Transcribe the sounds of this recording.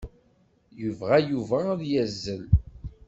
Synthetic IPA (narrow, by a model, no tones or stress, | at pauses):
juvʁæjuvæðjæzːəl